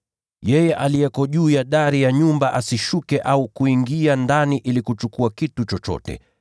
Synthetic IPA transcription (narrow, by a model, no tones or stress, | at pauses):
jɛjɛʔalijɛkɔʄuːjaɗaɾijaɲumbaʔasiʃukɛʔaukuiŋɡiandaniʔilikut͡ʃukuakitut͡ʃɔt͡ʃɔ̰tɛ̰